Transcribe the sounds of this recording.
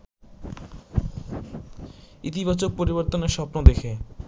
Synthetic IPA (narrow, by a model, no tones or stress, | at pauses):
it̪ibat͡ɕok̚poɾiboɾt̪oneɾʃɔpnod̪ekʰe